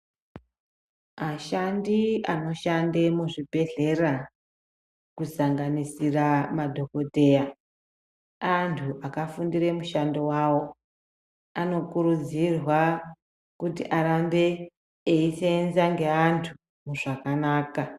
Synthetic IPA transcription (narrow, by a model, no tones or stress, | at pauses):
aʃandiano̞ʃandemuʐibʱe̞ɮe̞ra | kusaŋɡanisiramadʱo̞ko̞te̞ːja | antʰuʔakafundiɾe̞muʃandewaːwo̞ | ano̞kuɾud͡zirwa | kutḭʔaɾande̞ː | isenzaŋɡe̞antʰu | muʐakanaːka